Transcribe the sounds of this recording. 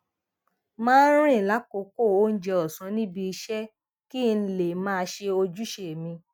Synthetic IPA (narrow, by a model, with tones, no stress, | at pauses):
mãː˦n̩˦ɾ̃ĩ˦˨la˨˦ko˨˦ko˦˨o˦n̩˦d͡ʒɛ˧ɔ˨sũ˨˦nĩ˦bi˧i˧ʃɛ˦ | ki˦˧n̩˧le˨mãː˦˧ʃe˧o˧d͡ʒu˦ʃe˨mĩ˧